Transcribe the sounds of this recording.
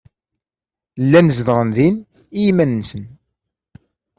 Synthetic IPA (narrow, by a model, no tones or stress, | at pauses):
lːænəzðʁənðin | ijmænnsən